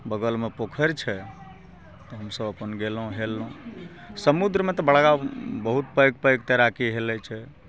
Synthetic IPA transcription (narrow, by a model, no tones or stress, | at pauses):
bəɡəlmepokʰəɾt͡ʃʰɛ | t̪ɔɦəmsəbəpənɡelɦũɦelːũ | səmud̪ɾəmet̪ɔbəɽɡabəɦut̪̚pəjɡpəjɡt̪eɾakiɦelɛt͡ʃʰɛ